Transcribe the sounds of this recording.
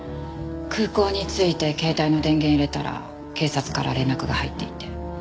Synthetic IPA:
kɯ̟ːko̞ːɲ̟it͡sɨit̪e̞ke̞ːt̪aino̞d̪ẽ̞ŋɡẽiɾe̞t̪aɾa̰ | ke̞ːsat͡sɨ̥kaɾa̰ɾẽ̞nːakɯ̟ɡahait̪ːe̞it̪e̞

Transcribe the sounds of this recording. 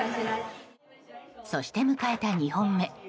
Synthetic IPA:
so̞ɕi̥t̪e̞mɯ̟kae̞t̪aɲ̟ihõ̞mːe̞

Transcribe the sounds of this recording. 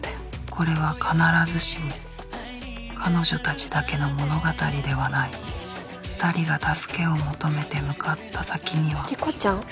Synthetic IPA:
kʰo̞ɾe̞β̞akʰanaɾazɨɕimo | kʰano̞ʑo̞t̪at͡ɕi̥d̪ake̞no̞mo̞no̞ɡat̪aɾʲid̪e̞βanai | ɸɯ̥t̪aɾʲiɡat̪asɨ̥ke̞o̞mo̞t̪o̞me̞t̪e̞mɯ̟kʰat̪ːasakʲiɲ̟iβaɾʲikot͡ɕãŋ

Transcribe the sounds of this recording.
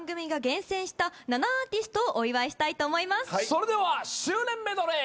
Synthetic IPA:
ŋɡɯ̟mʲiɡaɡẽ̞ɰ̃sẽ̞ɰ̃ɕi̥t̪ananaaːt̪ʲisɨt̪o̞ːʔoiβaeɕi̥t̪ait̪o̞ːmo̞imasɨ̥aso̞ɾe̞d̪e̞βaɕɨːnẽ̞mːe̞d̪oɾe

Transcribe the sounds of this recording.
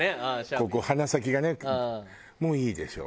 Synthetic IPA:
kokohanasak̬ʲiɡane | mo̞ːiːd̪e̞ɕo̞̰ː

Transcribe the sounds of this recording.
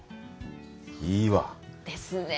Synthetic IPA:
iːβa̰d̪̥esɨne

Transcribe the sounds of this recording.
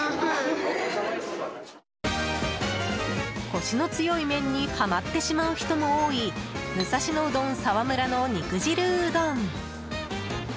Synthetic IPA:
ko̞ɕino̞t͡sɨjo̞imẽ̞ɲ̟ːipamat̪ːe̞ɕimaɯ̟çi̥t̪o̞mo̞oːimɯ̟saɕino̞ɯd̪õ̞ñsaβamɯ̟ɾano̞ɲ̟ikɯ̟ʑiɾɯ̟d̪õɴ

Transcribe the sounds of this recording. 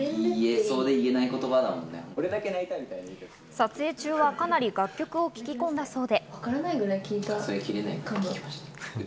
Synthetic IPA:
ieso̞ːd̪e̞ie̞naiko̞t̪o̞bad̪amõ̞̰nːḛkoɾe̞d̪ake̞nait̪amʲit̪ainait̪e | sat͡sɨe̞ːt͡ɕɨːβakanaɾʲiɡakʲːo̞kɯ̟o̞kʲi̥kʲikõ̞nd̪aso̞ːd̪e̞βakaɾanaiɡɯ̟ɾaikʲiːt̪asoɾekʲiɾe̞na̰ikaɡo̥

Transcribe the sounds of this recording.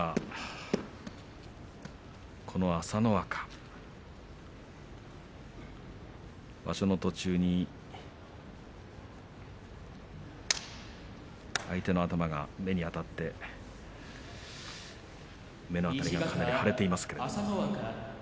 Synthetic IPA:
kʰo̞no̞asano̞βakḁ | ba̰ɕo̞no̞t̪o̞t͡ɕɨːɲ̟i | ait̪e̞no̞at̪amaɡa̰me̞ɲ̟iat̪at̪ːe̞ | me̞noat̪aɾʲiɡakʰanaɾʲihaɾe̞t̪e̞imasɨ̥ke̞ɾ

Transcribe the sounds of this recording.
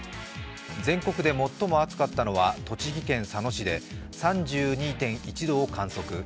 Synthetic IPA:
d͡zẽ̞ŋko̞kɯ̟d̪e̞mo̞t̪ːo̞mo̞at͡sɨ̥kat̪ːano̞βat̪o̞t͡ɕiɡʲikẽ̞ɰ̃sano̞ɕid̪e̞ | sãɲd͡ʑɨːɲ̟iːt̪ẽ̞ɰ̃it͡ɕid̪o̞ːkãɰ̃so̞kɯ̟

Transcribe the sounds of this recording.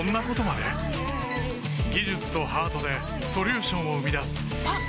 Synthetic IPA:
õnːako̞t̪o̞mad̪e̞ | ɡʲiʑɨt͡sɨ̥t̪o̞haːt̪o̞d̪e̞ | so̞ɾʲɨːɕõ̞ɰ̃oɯ̟mʲid̪asɨ̥

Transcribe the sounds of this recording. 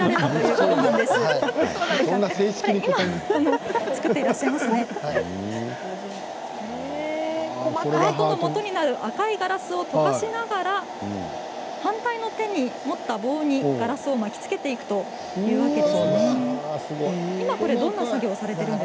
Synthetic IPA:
ɾaɾe̞t̪at̪ojɯomonãnd̪e̞s | nːaeːɕiimaonot͡sɨ̥kɯ̟t̪ːeiɾaɕːaimasɨne̞ | e | omaat̪oomo̞t̪o̞ɲ̟inaɾɯ̟ʔakaiɡaɾasɨo̞t̪o̞kaɕinaɡaɾa | hãnt̪aino̞t̪ẽ̞ɲ̟ːimo̞t̪ːabo̞ːɲ̟iɡ̥aɾasɨo̞makʲi̥t͡sɨ̥ke̞t̪e̞ikɯ̟̥t̪o̞ | jɯ̟ːake̞d̪esnesɨɡimako̞ɾe̞d̪õ̞nːasaɡʲo̞ːsaɾe̞t̪e̞ɾɯ̟n

